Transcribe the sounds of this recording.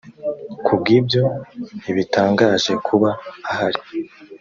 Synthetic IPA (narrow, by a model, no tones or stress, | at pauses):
kʰub̚ɡiːbjo̞iβitaːŋɡaːʒe̞kʰuβaːhaɾi